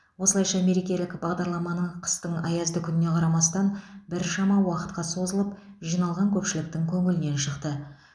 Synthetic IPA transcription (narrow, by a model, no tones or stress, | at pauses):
wo̞səlˠɑjʃɑme̞ɾe̞kʲe̞lɪkbɑʁd̪ɑɾlˠɑmɑnəɴqʰə̥st̪əɴɑjɑzd̪əkʲʰʏnɪne̞qʰɑɾɑmɑst̪ɑnbɪɾʃɑmɑwɑqə̥t̪qɑso̞zəlˠəp | ʒijnɑlˠʁɑŋkʲʰɵpʃɪlɪk̚t̪ɪŋkʲʰɵŋɪlɪne̞nʃəqt̪ə